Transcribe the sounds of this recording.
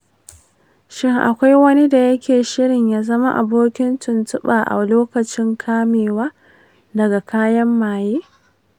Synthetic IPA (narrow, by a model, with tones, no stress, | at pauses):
ʃɪ˦ŋʔa̰˨kʷa˦jwɐ˦ni˦da˨jɐ˦kʲeː˨ʃɪ˦ɽɪ˨ɲjaː˦zɐ˦ma˦ʔa̰˨boː˦kʲɪ˦ntʊ˨ntʊ˦ɓaː˨ʔa̰˨loː˦kɐ˨t͡ʃɪ˦ŋkʰaː˦meː˨waː˦ | dɐ˨ɡa˨kʰaː˦jɐ˦mːaː˨jeː˦